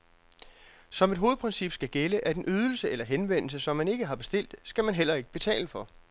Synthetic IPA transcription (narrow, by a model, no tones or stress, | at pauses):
sɒ̽me̝d̥ɦo̝ːð̩ˠpʰʁɛnsib̥sɡ̥æɡ̥eləʔæd̥enʔyːð̞ˠl̩səelɐɦenʋen̰l̩səsɒ̽mːæne̝ɡ̥əɦɑ̈b̥e̝sd̥e̝l̰d̥sɡ̥æmænɦel̰ɐe̝ɡ̥əb̥e̝t͡sʰɛ̰ːləfɒ̽